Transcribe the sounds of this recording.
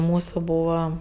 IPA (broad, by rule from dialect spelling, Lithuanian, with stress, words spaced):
ˈmuːsʊ ˈbuːʋɐ